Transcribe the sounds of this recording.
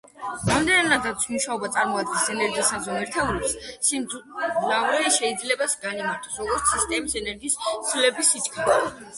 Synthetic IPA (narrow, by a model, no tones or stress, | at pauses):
ɾamd̪ɛnanad̪at̪sʰmuʃaɔbat̪sʼaɾmɔad̪̚ɡɛsɛnɛɾɡiisand̪zɔmɛɾt̪ʰavɾɛpssimznavɾiʃɛid̪zlɛbasɡanimaɾt̪ʰɔ̥sɾɔɡɔɾt̪sʰist̪ʼɛmisɛnɛɾɡiːszlɛbisit͡ʃkʰid̪ɔ